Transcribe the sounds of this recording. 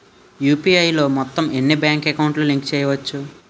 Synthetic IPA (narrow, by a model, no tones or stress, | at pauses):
juːpiːɐjlo̞ːmɔt̪ːɐme̞nːibjaːŋkɛkɐwɳʈluːliŋkt͡ʃɛːjɐʋɐt͡ʃːu